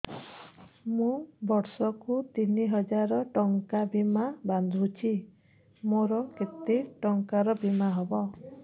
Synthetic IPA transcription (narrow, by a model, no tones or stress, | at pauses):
mũbɔɾsɔkut̪iniɦɔd͡ʒaɾɔʈɔŋkabimaband̪ʱut͡ʃʰi | moɾɔket̪eʈɔŋkaɾɔbimaɦɔbɔ